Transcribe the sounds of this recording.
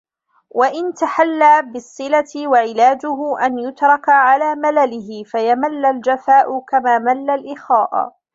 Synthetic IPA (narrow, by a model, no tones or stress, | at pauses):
waʔɪnt̪aħalːaːbɪsˤːɨlaɪwaʕɪlaːd͡ʒʊɦʊʔanjʊt̪ɾˤɑkaʕalaːmalalɪhɪfajamalːald͡ʒafaːʔʊkamaːmalːalʔɪxaːʔ